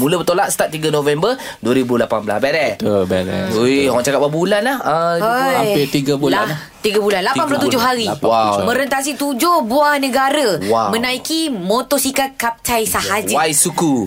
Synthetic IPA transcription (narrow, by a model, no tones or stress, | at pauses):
mũləbət̪olat̪̚st̪at̪̚ːiɡənõvɛmbə | duəɾibulapanbəla̰sbɛɾɛt̪əbɛɾɛ̰oɦɔʔt͡ʃakap̚babulanlahəaapɪt̪iɡabula | t̪iɡabulanlapanpulat̪ud͡ʒʊhɦaɾiwawmə̃ɾənt̪as̬it̪ud͡ʒʊhbuahnə̃ɡaɾəwawmə̃nãikimot̪ɔsikakap̚t͡ʃajsahad͡ʒwajsuku